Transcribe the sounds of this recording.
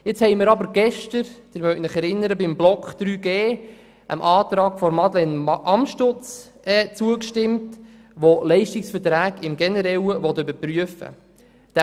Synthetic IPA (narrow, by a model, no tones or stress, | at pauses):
jɪt͡shɛɪmɪɾɑbəɾɡ̥ɛʃtəɾd̪̥ɪɾmœɥtnəχɛɾɪnːəɾəbɪmblɔkχd̥̪ɾyːɡeː | ʔə̰mʔɑːtɾɑːɡfɔɾmɑdlɛnʔɑmʃtʊt͡s | ɛːt͡suəkʃtɪmt | ʋolɛɪʃtɪksfətɾæːɡɪmɡɛnəɾɛwəʋɔt̪ːøbəɾpɾyəfə̰ | d̪̥